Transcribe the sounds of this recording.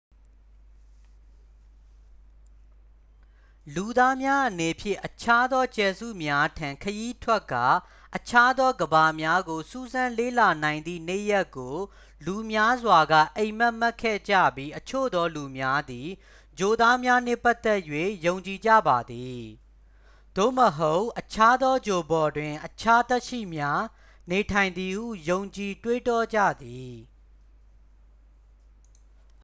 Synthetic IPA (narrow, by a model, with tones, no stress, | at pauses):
lu˨d̪a˦mja˦ʔəne˨pʰjɪ̰̃˦˨ʔət͡ɕʰa˦d̪ɔ˦t͡ɕɛ˨zṵ˦˨mja˦tʰã˨ŋkʰəji˦tʰwɛ˦kːa̰˦˨ | ʔət͡ɕʰa˦d̪ɔ˦ɡəba˨mja˦ɡo˨su˦˨zã˦le˦˨la˨nã˨ɪ̃nd̪ðḭ˦˨n̥e˦˨ja˦kːo˨ | lu˨mja˦zwa˨ɡa̰˦˨ʔẽ˨ɪ̃m̥a˦ʔm̥a˦kʰɛ̰˦˨d͡ʑä̰˦˨bji˦ʔət͡ɕʰo̰˦˨d̪ɔ˦lu˨mja˦d̪i˨ | d͡ʑo˨d̪a˦mja˦nɪ̰̃˦˨pa˦t̪ɛ˦ʔjwe˦˨jõ˨ʊ̃ɲt͡ɕi˨d͡ʑä̰˦˨ba˨d̪i˨ | d̥o̰˦˨məɦo˦ʊʔʔət͡ɕʰa˦d̪ɔ˦d͡ʑo˨bɔ˨dwɪ̃˨ʔət͡ɕʰa˦t̪ɛ˦ʔʃḭ˦˨mja˦ | ne˨tʰã˨ɪ̃nd̪ði˨hṵ˦˨jõ˨ʊ̃ɲt͡ɕi˨twe˦tɔ˦d͡ʑa̰˦˨d̪i˨